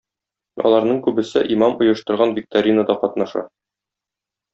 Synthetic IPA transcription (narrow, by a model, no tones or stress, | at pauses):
ɒ̰lˠɑɾnɤɴkʉbɘ̆sɘʔimɑmŭjɤ̆ʃt̪ɤ̆ɾʁɑnvʲik̚t̪aɾʲinəd̪ɑqɒt̪nɑʃɑ̰